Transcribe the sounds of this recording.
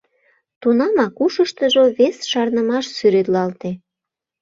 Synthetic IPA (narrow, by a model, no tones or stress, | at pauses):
t̪unɑmɑkuʃəʃt̪əʒoβesʃɑrnəmɑʃsyɾet̪lɑlt̪e